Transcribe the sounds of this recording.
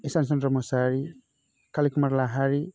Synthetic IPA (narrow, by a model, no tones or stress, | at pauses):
isans̬ɔntɾɔmɔsaɾi | kʰalikumaɾlaɦaɾi